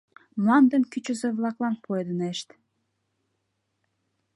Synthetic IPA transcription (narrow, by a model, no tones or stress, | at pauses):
mlɑnd̪əmkyt͡ɕə̆zĕβlɑklɑnpʰoed̪əneʃt̪